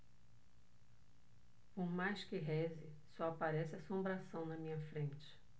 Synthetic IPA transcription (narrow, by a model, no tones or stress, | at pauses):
poɾmajʃkɪɦɛzɪ | sɔapaɾɛsɪasõmbɾasɐ̃w̃nɐmĩɲɐfɾẽnt͡ʃɪ̥